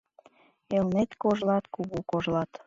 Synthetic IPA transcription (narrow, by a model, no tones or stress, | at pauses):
elnet̪koʒlɑt̪kuɣukoʒlɑt̪